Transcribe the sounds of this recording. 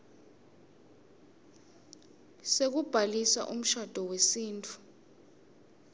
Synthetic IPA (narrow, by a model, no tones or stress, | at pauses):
sek̬ub̥ʱalisa̰ʔum̩ʃad̥ʱɔwesiːntʰʼu̥